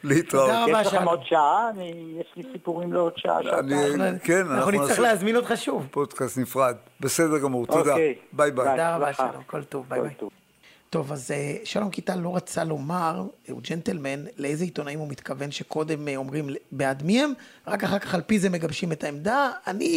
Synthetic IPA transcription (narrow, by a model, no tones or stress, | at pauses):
liit̪ʁadaʁabaaamodʃaaːnijeʃlisipuʁimleodʃa̰a̰ʃanikenanaaχnuniaχleazminodχaʃuvpodkast̪nifʁad̪̚ | besedeʁɡamuʁt̪od̪aebajbad̪aʁabaʃa̰lomkoltovbaat | to̞vazeʃalo̞mkitalo̞ʁat͡salo̞maʁṵd͡ʒentelmenleejzeit̪o̞naimumit̪kave̞nʃe̞ko̞d̪e̞mo̞mʁimbeadmihemʁakaχaʁkaχalpizemeɡabʃime̞taemd̪aːni